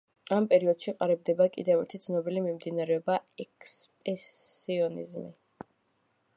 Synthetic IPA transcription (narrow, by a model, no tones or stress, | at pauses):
ampʼɛɾiɔd̪̥ʃiqʼaɾɛb̚d̪ɛbakʼḭd̪ɛvɛɾt̪ʰid̪sʰnɔbilimimd̪inaɾɛɔbaɛkspʼɛiɔnḭzmḭ